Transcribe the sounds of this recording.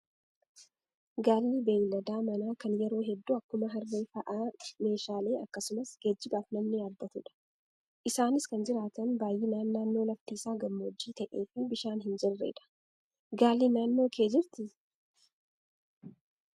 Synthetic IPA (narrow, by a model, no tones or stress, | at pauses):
ɡaːlːibeːjlɐd̪aːmɐnaːkɐnjɛɾo̞ːɦɛd̪ːuːɐkːʊmɐɦɐrːeːfɐʔaːme̞ːʃaːle̞ːʔɐkːɐsʊmɐsɡ̥ed͡ʒːɪɡaːfnɐmnɪaːbːɐt̪uːᶑɐ̥ | ʔɪsaːnɪskɐnd͡ʒɪɾaːt̪ɐnbaːjːiːnaːnːaːnːo̞ːlɐft̪iːsaːɡɐmːoːd͡ʒːiːt̪ɐʔe̞ːfɪbɪʃaːnɦɪnd͡ʒɛrːḛːᶑ̪ɐ̥ | ɡaːlːinaːnːo̞ːkʰe̞ːd͡ʒɪɾt̪ɪ